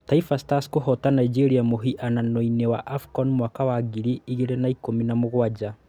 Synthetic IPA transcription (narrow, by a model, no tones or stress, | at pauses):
taifastaskohɔtanaid͡ʒeɾiamoɦiʔananoinewaʔafkɔnmwakawaɣiɾiiɣeɾenaikominamoɣwad͡ʑa